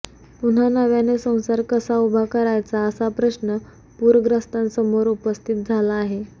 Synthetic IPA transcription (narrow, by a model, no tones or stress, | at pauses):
pun̤anəʋjanesə̃w̃saɾkəsaubʱakəɾajt͡saəsapɾəɕnə | puːɾɡɾəst̪ãnsəmoɾupəst̪ʰit̪̚d͡zʱalaːɦe